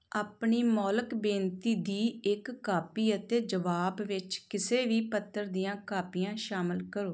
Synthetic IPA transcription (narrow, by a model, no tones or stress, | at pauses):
aːpɳiːmɔːləkbẽːnt̪iːd̪iːɪkːaːpiːət̪eːd͡ʒəʋaːbʋɪt͡ʃkɪseːʋiːpət̪ʰːəɾd̪ijãːkaːpijãːʃaːməlkəɾoː